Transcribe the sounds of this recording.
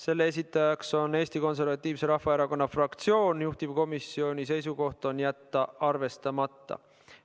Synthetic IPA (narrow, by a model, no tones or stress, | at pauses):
se̞lːeesit̪ːˑɑjɑkso̞ne̞ːst̪iko̞ns̬e̞rvɑt̪ˑːiːvse̞ɾɑhvɑeɾɑko̞nːɑfrɑkt̪sio̞ːnjuht̪ivko̞misːio̞nʲis̬e̞js̬uko̞ht̪ˑo̞njæt̪ːɑɑrve̞st̪ɑmɑt̪ːɑ̰